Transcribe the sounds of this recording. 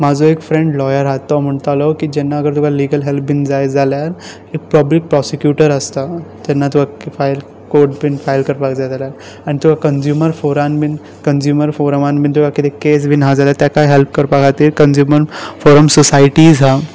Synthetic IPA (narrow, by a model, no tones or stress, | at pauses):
mad͡zʱoekfɾẽɳɖlɔjəɾɦat̪ɔm̤əɳt̪alɔkid͡ʒɛnːaəɡəɾt̪ukaliːɡəlɦelp̚bʱind͡zajd͡zaljaɾ | ek̚pəblik̚pɾɔsekjuʈəɾəst̪at̪ɛnːat̪ukafʰajl | koɾʈ̚bʱinfajlkəɾpakd͡zajd͡zaljaɾ | anit̪ukakənzjuməɾfoɾanbin | kənzjuːməɾfoɾmanbʱint̪̬ukʰakit̪ekes̬bʱinɦad͡zaljat̪jakaɦelp̚kəɾpakat̪iːɾkənzjuːməɾfoɾəmsɔsajʈizɦa